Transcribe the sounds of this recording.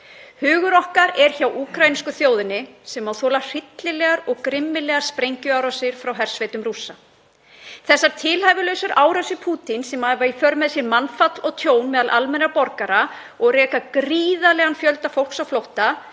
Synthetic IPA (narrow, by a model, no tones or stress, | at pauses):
hʏːɣʏɾɔhkaɾɛɾ̥çawʔuːkʰɾajniskʏθjoːwðɪnɪsɛmawθɔːlar̥ɪt̪lɪlɛɣaɾɔɣkɾɪmːɪlɛɣaɾ̥spɾejɲcʏawɾasɪɾ̥fɾawɦɛr̥svejt̪ʏmrusa | θɛsːaɾ̥t̪ʰɪlhajvɪlœɥsʏɾaːwɾasɪpʰuːt̪insɛmaɛvaifœɾmɛðsjɛɾmanːfat̪lɔɣt̪ʰjoːwnmɛːðalʔalmɛnɾapɔɾkaɾa | ɔɣrɛːkakɾiːðalɛɣanfjœlt̪afowl̥ksawflowht̪a